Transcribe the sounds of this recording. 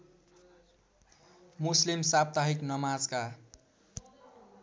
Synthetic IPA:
muslimsab̚t̪aɦiknʌmad͡zka

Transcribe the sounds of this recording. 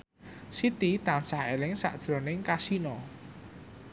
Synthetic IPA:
sit̪it̪ansahelɪŋsa̰ʔd̥ʒ̥ɾɔ̤nɪŋkasinɔ

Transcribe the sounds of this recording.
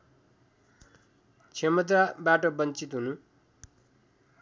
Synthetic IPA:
t͡sʰemʌt̪̬rabaʈʌbʌnt͡sit̪ɦunu

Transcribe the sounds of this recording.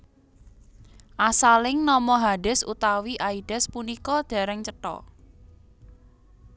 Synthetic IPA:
ʔasalɪŋnɔmɔɦaɖ̥ɪ̤sṵt̪awiʔaid̥ɛ̤spunikɔd̪̥a̤ɾɛŋt͡ʃəʈɔ̰

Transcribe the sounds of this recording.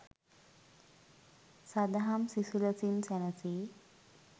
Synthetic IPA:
sad̪aɦamsisuləsinsɛnəsiː

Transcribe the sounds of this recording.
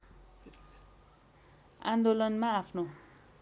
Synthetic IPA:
and̪olʌnmaːpʰno

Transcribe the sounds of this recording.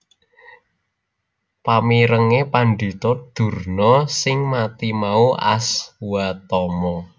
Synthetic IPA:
pamiɾəŋepanɖ̪i̤t̪ɔd̪̥ṳrnɔsɪŋmat̪imauʔa̰swat̪ɔmɔ

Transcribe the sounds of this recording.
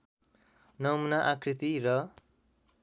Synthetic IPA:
nʌmunaʔakrit̪irʌ

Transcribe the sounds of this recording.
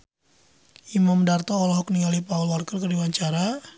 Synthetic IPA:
ʔimamdart̪ɔːlɔɦɔkniŋalipaulwarkərkərdiwaɲt͡ʃaɾa

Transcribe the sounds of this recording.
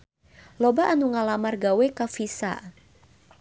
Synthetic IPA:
lɔbaʔanuŋalamarɡawɛkafisa̰

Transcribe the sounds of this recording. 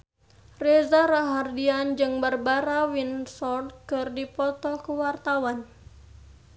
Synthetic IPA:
rezaɾaɦardiand͡ʒɨŋbarbaɾawinsɔrd̪̚kɨrdipɔt̪ɔkəwart̪awan

